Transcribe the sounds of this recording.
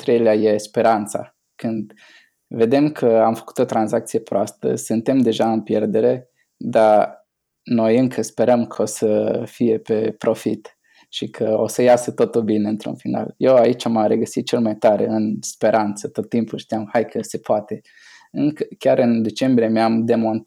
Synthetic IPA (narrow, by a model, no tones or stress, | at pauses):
t̪ɾejleaje̞spe̞ɾant̪sa̰ | kɨnd̪ | ve̞d̪e̞mkʰəamfə̥ku̥t̪o̞t̪ɾanzak̚t̪sije̞pɾoast̪ə̰sɨnt̪e̞md̪e̞ʒaɨnpje̞rd̪e̞ɾe̞ | d̪a | no̞jɨŋkʰəspe̞ɾəmkʰəosəfije̞pe̞pɾo̞fit̪ | ʃikʰəo̞səjasət̪o̞t̪ulbine̞ɨnt̪ɾṵnfina̰lje̞wait͡ʃʲaməɾe̞ɡəsit̪̚t͡ʃe̞lmajt̪aɾe̞̰ɨnspe̞ɾʔant̪sət̪o̞t̪ːimpulʃt̪ijamhajkʰəse̞poat̪e̞ | ɨŋkəkʲaɾʔɨnd̪e̞t͡ʃe̞mbɾijemeamd̪e̞mo̞n